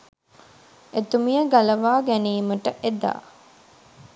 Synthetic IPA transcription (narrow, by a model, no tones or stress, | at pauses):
et̪umijəɡalɐʋaːɡæniːməʈəʔed̪a̰ː